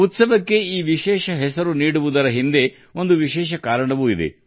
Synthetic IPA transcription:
ut̪sɐʋɐkːe̞iːʋiʃɛːʃɐɦɛsɐɾuniːɽuʋud̪ɐɾɐɦind̪e̞ | o̞nd̪uʋiʃɛːʃɐkaːɾɐɳɐʋuid̪e̞̰

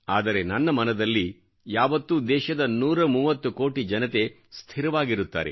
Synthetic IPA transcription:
aːd̪ɐɾe̞nɐnːɐmɐnɐd̪ɐlːi | jaːʋɐt̪ːud̪ɛːʃɐd̪ɐnuːɾɐmuːʋɐt̪ːuko̞ːʈid͡ʒɐnɐt̪e̞ | st̪ʰiɾɐʋaːɡiɾut̪ːa̰ːɾḛ

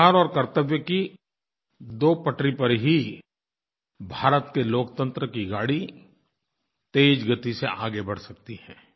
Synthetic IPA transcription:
aːɾɔːɾkɐɾt̪əʋjəki | d̪oːpɐʈɾipəɾɦi | bʱaːɾət̪keloːkt̪ə̃nt̪ɾəkiɡaːɽi | t̪eːd͡ʒɡət̪iseʔaːɡebɐɽsɐkt̪iɦɛ̃ː

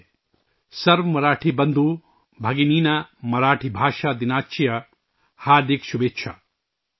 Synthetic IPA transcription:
sɐɾʋɐmɐɾaːʈʰibɐnd̪ʱu | bʱɐɡiniːnamɐɾaːʈʰibʱaːʃad̪inaːtːt͡ʃijɐ | haːɾd̪ikʃubeːtːʃʰɐ̰

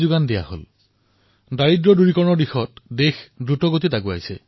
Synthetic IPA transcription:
zʊɡandija̰ho̰l | daɹidɹɔduɹikɔɹɔnɔɹdixɔtdexdɹutɔɡotitaɡua̰jsɛ̰

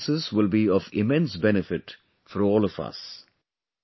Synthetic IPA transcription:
sɪzwɪlbiɔvɪmɛ̃nsbɛnɪfɪʈ | fɔɾɔːlɔvʌ̰s

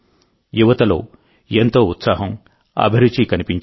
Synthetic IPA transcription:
juʋɐt̪ɐlo̞̰ː | ent̪o̞ːut̪saːɦɐm | ɐ̰bʱɐɾut͡ʃikɐnipiɲt͡ʃ

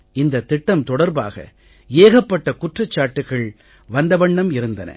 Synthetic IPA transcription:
ɪnd̪ɐt̪ːɪʈːɐmt̪ɔɽɐɾba̰ːɣɐ̰ | eːɣɐpːɐʈːɐkʊʈrɐt͡ʃːaːʈːɯɣɐɭ | ʋɐnd̪ɐʋɐɳːɐmɪɾɯnd̪ɐnɐ̰

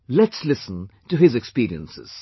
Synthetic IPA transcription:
lɛtslɪsn̩tɨɪzɨkspiɹiə̰̃nsɪ̰z̥

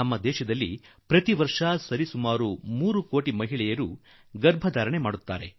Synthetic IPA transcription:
ɐmːɐd̪ɛːʃɐd̪ɐlːi | pɾɐt̪iʋɐɾʂasɐɾisumaːɾumuːɾuko̞ːʈimɐɦiɭɛjɐɾu | ɡɐɾbʱɐd̪aːɾɐɳemaːɽut̪ːaːɾe

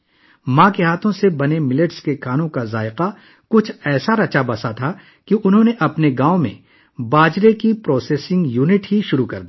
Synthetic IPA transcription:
mãːkeɦaːt̪ʰõsebɐnemɪləʈskekaːnõkazaːɪqa | kʊt͡ʃʰɛːsaɾɐt͡ʃabɐsat̪ʰa | kiʔʊnɦõːneʔɐpneɡãːõmḛ̃ | baːd͡ʒɾekipɾɔːseːsɪ̃ŋɡjuːnɪʈɦiʃʊɾukɐ̰ɾd̪iː

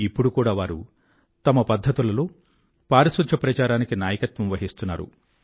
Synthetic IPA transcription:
ipːuɽukuːɽaːʋaːɾṵ | t̪ɐmɐpɐd̪ʱːɐt̪ulɐlo̞ː | paːɾɐsʋɐt͡ʃʰɐpɾɐt͡ʃaːɾaːnikinaːjɐkɐt̪ʋɐmʋɐɦist̪unːaːɾṵ

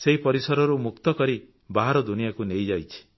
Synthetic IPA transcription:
seɦipɔɾisɔɾɔɾumukt̪ɔkɔɾi | baɦaɾɔd̪unijakunejd͡ʒajt͡ʃʰi̥

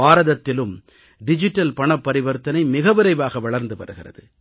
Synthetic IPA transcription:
aːɾɐðɐt̪ːɪlɯm | ɖɪd͡ʒɪʈːɐlpɐɳɐpːɐɾɪʋɐɾt̪ːɐnɐɪmɪɣɐʋɪɾɐɪʋaːɣɐʋɐɭɐɾnd̪ɯpɐ̰ɾɯɣɪrɐ̰ðɯ

